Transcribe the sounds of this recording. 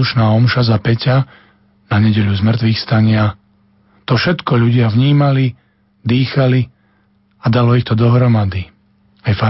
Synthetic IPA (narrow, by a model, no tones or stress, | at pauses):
uʃnaːɔmʃazapɛca | naɲɛɟɛʎuzmr̩t̪ʋixst̪aɲɪa | t̪ɔfʃɛt̪kɔʎuɟɪavɲiːmali | d̪iːxali | ad̪alɔixt̪ɔd̪ɔɦɾɔmad̪i | ajfa